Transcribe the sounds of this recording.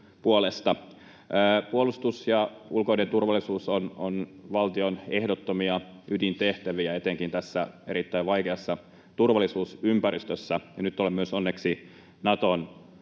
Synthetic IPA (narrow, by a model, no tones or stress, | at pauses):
puolest̪ɑː | puolust̪usjɑulko̞inent̪urʋɑlːˑisuːsono̰nʋɑlt̪ionehdot̪ːomiɑydint̪eht̪æʋiæet̪eŋkint̪æsːæḛɾit̪ːæiʋʋɑikeɑsːɑ | t̪urʋɑlːˑisuːsympærist̪øsːæjɑnyt̪ːolemyøsonːeksi | nɑt̪on